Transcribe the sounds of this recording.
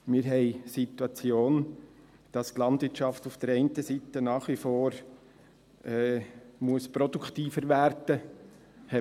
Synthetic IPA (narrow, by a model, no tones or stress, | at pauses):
mɪːɾɦɛɪsit̪uɑt͡sjoːn | d̥ɑstlɑndʋɪt͡ʃɑftufd̥əɾɛɪntəsitənɑːχʋifoːɾ | ɛːmuəspɾɔduktiːfəɾʋæɾd̥ə | hɛ